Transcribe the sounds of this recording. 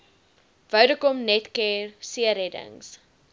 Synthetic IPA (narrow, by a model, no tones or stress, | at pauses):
vɐwdəkɔmnɛtkɛːrsiəɾɛdə̰ŋs